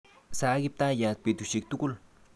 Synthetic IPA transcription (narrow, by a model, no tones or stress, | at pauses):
sakip̚t̪ajat̪̚pit̪uʃik̚t̪ukul